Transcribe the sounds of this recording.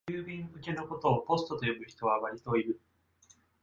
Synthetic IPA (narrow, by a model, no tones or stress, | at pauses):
ɯːbʲĩŋɯ̟ke̞no̞ko̞t̪o̞ːpo̞sɨ̥t̪o̞t̪o̞jomɯ̟çi̥t̪o̞βaβaɾʲit̪o̞iɾɯ̟